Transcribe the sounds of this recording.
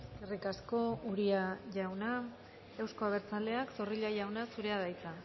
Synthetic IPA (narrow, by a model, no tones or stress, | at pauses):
erikasko̞uɾiaʝawna | ewsko̞aβ̞e̞ɾt͡sale̞akso̞riʎajawnasuɾe̞aðajt͡s̪a